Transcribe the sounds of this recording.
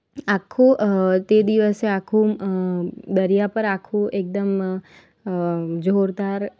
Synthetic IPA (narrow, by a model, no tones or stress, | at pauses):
akʰũt̪ed̪iʋəseakʰũ | d̪əɾijapəɾakʰũek̚d̪əm | d͡ʒʱoɾd̪aɾ